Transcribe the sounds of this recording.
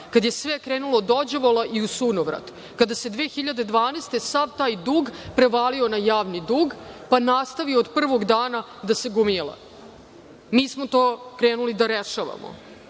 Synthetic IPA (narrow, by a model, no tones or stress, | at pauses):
kad̪je̞sʋekɾeːnulod̪od͡ʑoʋolaʔiusunoʋɾa̰d̪ | kad̪ased̪ʋeːxiʎad̪e̞d̪ʋaːnest̪e̞saʋt̪aːjd̪uːɡpɾe̞ʋaːlio̞najaːʋnid̪uːɡpanast̪aʋiod̪pr̩ʋo̞ɡd̪aːna | d̪aseɡumilˠa̰ | miːsmot̪oːkɾeːnulid̪aɾeʃaʋa̰mo̰